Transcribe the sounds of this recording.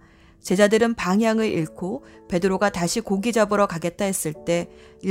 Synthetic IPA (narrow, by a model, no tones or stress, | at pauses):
t͡ɕe̞d͡ʑadɯɾɯnpaŋɦjaŋɯɾiɭkʰope̞dɯɾoɡataɕʰikoɡid͡ʑabɯɾʌkaɡe̞t̚t͈aɦe̞s͈ɯɭt͈e̞i